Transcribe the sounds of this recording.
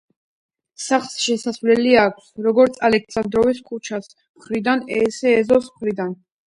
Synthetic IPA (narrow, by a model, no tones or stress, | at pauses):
saχlˠsʃɛsasvlɛliakʷʰsɾɔɡɔɾt̪sʰalɛkʰsand̪ɾɔviskʼut͡ʃʰas | mχɾid̪anɛsɛːzɔsmχɾid̪an